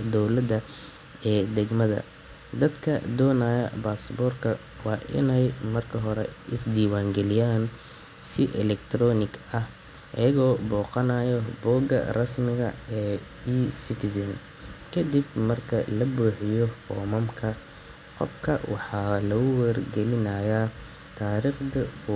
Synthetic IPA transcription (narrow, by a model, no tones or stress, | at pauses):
d̪ɔwlɐd̪ɐ | ɛːd̪ɛɡmɐðɐ̰ | d̪ɐd̪kʰɐd̪ɔːnaːjɐ̰baːsbɔːrkʰɐ | wɑːʔɪ̰nɛjmɐrkʰɐɦɔɾɛ̰ɪsd̪iːwaːŋɡɛlɪjaːn | sɪʔɛlɛkt̪ʰrɔːnɪɡɐh | ʔɐ̰jɐɣɔːbɔːqɑnaːjɔbɔːɡɐ̰rɐsmɪɣɐ̰ɛː | iːsɪt̪ʰɪsɐn | kʰɐd̪ibmɐrkʰɐlɐbuːħɪjɔfɔːmɐmkʰɐ | qɔ̰fkʰɐwʔɑħɑːlɐɣʊwɛrɡɛlɪnɐjɐ | t̪ʰaːɾiːχd̪ɐkʰʊ